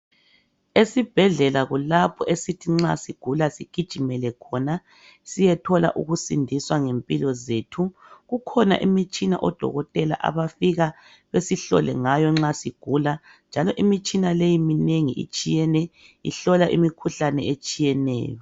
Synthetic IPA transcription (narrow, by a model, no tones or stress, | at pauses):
esib̥ʱɛɮɛlaɣulapʰɔʔesitʰiŋ͡ǁa̰siɡ̥ʱulasiɡ̥ʱid̥ʒ̥ʱimɛlɛkʰɔna | sijɛtʰɔla̰ʔṵɣusindʱiswaŋempʼilɔzetʰuɣukʰɔna̰ʔimit͡ʃʼina̰ʔɔd̥ʱɔ̰ɣɔtʼɛla̰ʔa̰βafiɣa | βesiɬɔ̰lɛ̰ŋajɔŋ͡ǁasiɡ̥ʱula | nd͡ʒʱalɔʔimit͡ʃʼinalejimineŋiʔḭt͡ʃʼijɛnɛ | ḭɬɔlaʔimikʰuɬanɛet͡ʃʼijɛnɛ̰ːjɔ